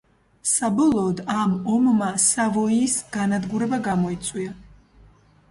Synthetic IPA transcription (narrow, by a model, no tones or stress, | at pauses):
sabɔlˠɔːd̪amɔmmasavɔiːsɡ̥anad̪ɡuɾɛbaɡamɔit̪sʼwia